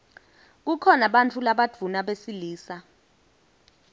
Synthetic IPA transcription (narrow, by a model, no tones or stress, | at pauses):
k̬ukʰɔnaɓant͡fʰulaɓad͡v̥ʱunaɓesiliːsa